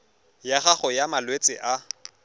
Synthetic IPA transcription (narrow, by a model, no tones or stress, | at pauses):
jaχaχʊjamalwet͡sʼɪʔa